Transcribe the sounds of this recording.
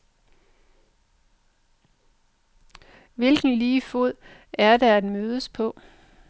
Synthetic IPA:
ʋelɡ̥n̩liːfo̝ð̰ˠæɐdæædmøːð̞ˠəspʰɔ̽

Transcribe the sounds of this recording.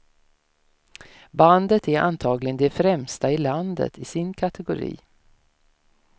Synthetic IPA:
band̪ət̪æɾa̰nt̪ʰɑːɡlɪɡənd̪ɛfɾɛmst̪aɪland̪ə̰t̪ʰɪsɪnkʰat̪ɛɡʊɾḭː

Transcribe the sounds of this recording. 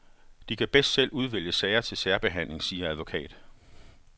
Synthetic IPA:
d̥ikʰæb̥esd̥sel̰uð̞ˠʋel̰jəsɛɪɐt͡sʰe̝lsæːɐb̥e̝ɦæn̰le̝ŋsiːɐæð̞ˠʋo̝kʰɛ̰ːd̥

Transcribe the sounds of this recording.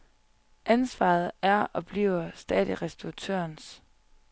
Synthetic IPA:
ʔænsʋɑ̰̈ð̩ˠæɐɒ̽b̥lḭːʊɐsd̥ɛ̰ːð̥ˠiʁɛsd̥uat͡sʰø̰ɐns

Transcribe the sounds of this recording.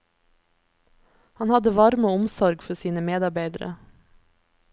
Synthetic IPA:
hɑnhɑd̪əʋɑɾmoːʊmsɔɾɡfɔsiːnəmeːd̪ɑɾbæɪd̪əɾə̰

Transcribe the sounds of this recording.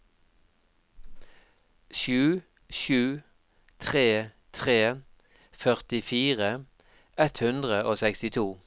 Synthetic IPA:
ʃʉː | ʃʉː | t̪ʰʁeː | t̪ʰʁeː | fœʁt̪ɪfiːʁə | ɛt̪hʉnd̪ʁəoːsɛkst̪ɪt̪ʰuː

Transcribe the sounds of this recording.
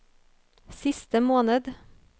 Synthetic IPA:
sɪst̪əmoːnəd̪

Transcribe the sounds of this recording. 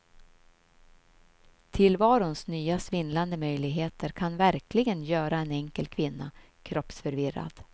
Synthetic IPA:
t̪ʰɪlvɑːɾʊnsnyːasvɪnland̪əmœjlɪɡɦeːt̪ʰəɾkʰanvæɾklɪɡənjœːɾaɛnɛŋkəlkʰvɪnːa | kʰɾɔpsfœɾvɪɾːa̰d̪̥

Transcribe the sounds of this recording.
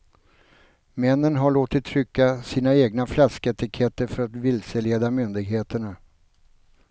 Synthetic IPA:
mɛnːənɦaɭoːt̪ɪt̪ʰːɾʏkːasiːnaeːɡnaflaskəɛt̪ɪkʰɛt̪ːəɾfœɾat̪vɪlsəleːd̪amʏnd̪ɪɡɦeːt̪əɳa

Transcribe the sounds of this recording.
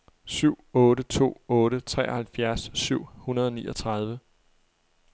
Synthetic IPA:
syʊ̰ɔ̽ːɾət͡sʰo̝̰ːɔ̽ːɾət͡sʰʁɛ̰ːɒhælfjæɐsːyʊ̰hunɐðˠɒ̽nḭːʔɒ̽t͡sʰʁɑ̈ð̞ˠʋə

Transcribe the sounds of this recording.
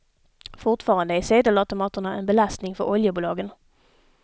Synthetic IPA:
fʊʈfɑːɾand̪əæseːd̪əlat̪ʊmɑːt̪əɳaʔɛnbɛlast̪nɪŋfœɾʔɔljəbuːlɑːɡən

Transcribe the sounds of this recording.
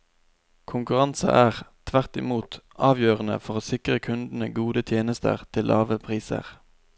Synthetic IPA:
kʰʊŋkʉʁɑnsə̰ʔæːʁt̪ʰʋæʁt̪ɪmuːt̪ʔɑːʋjøːʁənə̰fɔʁoːsɪkʁəkʰʉnd̪n̩əɡuːd̪ət̪ʰjeːnəst̪ə̰ʁt̪ʰɪlʔɑ̰ːʋəpʰʁiːsə̰ʁ

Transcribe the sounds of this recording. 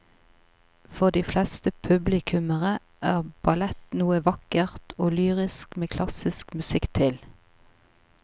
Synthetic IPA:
fɔʁd̪iːflɛst̪əpʰʉblɪkʰʉməʁə | ʔæːʁb̥ɑlɛt̪nuːəʋɑkəʁt̪ʰoːlyːʁɪskmeːkʰlɑsɪskmʉsɪkt̪ʰɪl

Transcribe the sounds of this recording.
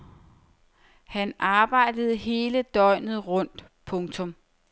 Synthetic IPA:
hænʔɑ̈ːb̥ɑ̈ɪ̰d̥əð̞̩ˠɦe̝ːləd̥ɒ̽ɪ̰nð̞̩ˠʁɔ̽n̰d̥ | pʰɔ̽ŋt͡sʰɔ̽m

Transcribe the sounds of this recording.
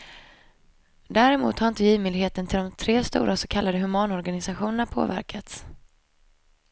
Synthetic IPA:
d̪æːɾɛmṵːt̪haɾɪnt̪əjiːvmʏːlheːt̪ənt̪ʰɪld̪ɔmt̪ʰɾeːst̪ṵːɾʔasɔkʰalːad̪əɦɵmɑːnɔɾɡanɪsaɧuːnəɳapʰo̰ːvæ̰ɾkʰat̪s

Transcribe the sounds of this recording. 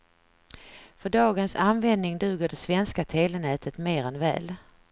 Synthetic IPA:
fœɖɑːɡənsanvɛnd̪nɪŋd̪ʉ̟ːɡəɖɛsvɛnskat̪ʰeːlənɛːt̪ʰət̪meːɾɛnvɛ̰ːl

